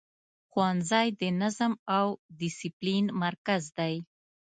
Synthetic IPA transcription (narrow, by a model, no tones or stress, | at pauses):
xwanzɑjd̪ənazəmawdɪsiplinmaɾkazd̪aj